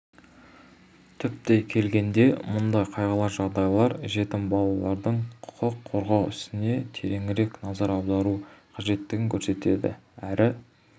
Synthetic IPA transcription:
t̪ʰʏp̚t̪e̞jkʲʰe̞lɡʲe̞nd̪e̞mʊnd̪ɑjqʰɑjʁɑlˠɑɾʒɑʁd̪ɑjlˠɑɾʒe̞t̪ɪmbɑlˠɑlˠɑɾd̪əɴqʰʊ̥qəqʰːoɾʁɑwʏst̪ɪne̞t̪ʰe̞ɾe̞ŋɪɾe̞knɑzɑɾɑwd̪ɑɾuqʰɑʒe̞t̪ːɪɡʲɪŋkʲʰɵɾse̞t̪e̞̰d̪ɪ̰æɾʔɪ

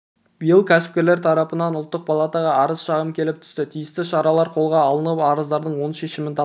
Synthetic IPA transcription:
b̥ijəlˠkʲʰæsɪ̥p̚kʲe̞ɾle̞ɾt̪ʰɑɾɑpənɑnʊlˠt̪ːəq̚pʰalˠat̪ɑʁɑɑɾəzʃɑʁəmkʲʰe̞lɪp̚t̪ʰʏ̥st̪ɪt̪ʰijɪst̪ɪʃɑɾɑlˠɑɾqʰo̞lˠʁɑːlˠənəpɑɾəzd̪ɑɾd̪əɴwo̞nʃe̞ʃɪmɪnt̪ʰɑ

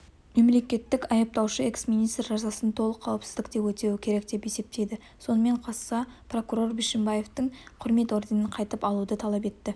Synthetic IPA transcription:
me̞mle̞kʲe̞t̪ːɪkɑjɑp̚t̪ɑwʃəe̞ksmijnijst̪rʒɑzɑsənt̪ʰo̞lˠəqʰːɑwəpsɪzd̪ɪk̚d̪e̞pwɵt̪e̞wɪkʲʰe̞ɾe̞k̚d̪e̞pe̞se̞p̚t̪e̞jd̪ɪ | so̞nəme̞ɴqʰɑsːɑpro̞kuɾo̞rbiʃɪmbaje̞ft̪əɴqʰʊɾme̞t̪o̞ɾd̪enəɴqʰɑjt̪əpɑlˠud̪ət̪ʰɑlˠɑp̬e̞t̪ːɪ

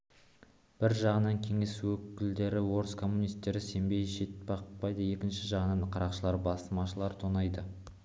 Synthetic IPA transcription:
b̥ɪɾʒɑʁənɑŋkʲʰe̞ŋe̞swɵkʲɪld̪e̞ɾɪwo̞ɾəskʰo̞mːunijst̪ːe̞ɾɪse̞mbe̞jʃe̞t̪̚bɑqpɑjd̪əje̞kʲɪnʃɪʒɑʁənɑnqʰɑɾɑqʃəlˠɑɾbɑsəmɑʃəlˠɑɾt̪ʰonɑjd̪ə

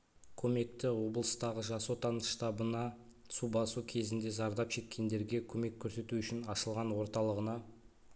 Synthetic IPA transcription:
kʲʰɵme̞k̚t̪ɪwo̞blˠəst̪ɑʁəʒɑsot̪ʰɑnʃt̪ɑbənɑ | subɑsukʲʰe̞zɪnd̪e̞zɑɾd̪ɑpʃe̞kʲːe̞nd̪e̞ɾɡʲe̞kʲʰɵme̞kʲʰːɵɾse̞t̪uʏʃɪnɑʃəlˠʁɑnwo̞ɾt̪ɑlˠəʁənɑ

